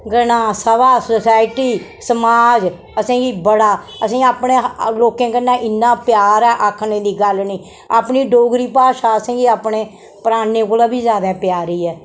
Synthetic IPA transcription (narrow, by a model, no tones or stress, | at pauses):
ɡənãːsəbaːsəsaːɪʈiːsəmaːd͡ʒ | əsẽːɡiːbəɽaː | əsĩːaːpɳeːloːkẽːkənːãːʔɪnːãːpjaːɾɛːʔakʰneːd̪iːɡəlnĩː | a̰ːpniːɖoːɡɾiːpaːʃaːəsẽːɡiːaːpɳeː | pəɾaːneːkoːlaːbiːzjaːd̪aːpjaːɾiːɛː